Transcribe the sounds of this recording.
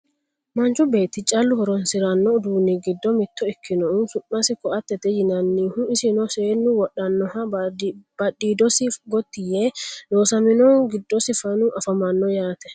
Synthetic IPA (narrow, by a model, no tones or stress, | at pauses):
mɐnt͡ʃʊbe̞ːt̪ːɪt͡ʃʼɐlːʊhɔɾɔnsɪɾɐnːɔd̪uːnːiɡɪd̪ːɔmɪt̪ːɔɪkʰːɪnɔʊsʊʔːɐsɪkɔʔɐt̪ːɛt̪ɛjɪnɐnːiːhʊɪsɪnɔseːnːʊwɔɗːɐnːɔhɐ | b̥ɐᶑiːd̪ɔsɪɡɔt̪ːɪjed̪o̞ːsɐmɪnɔɡɪd̪ːɔsɪfɐnʊʔɐfɐmɐnːɔjaːt̪ɛ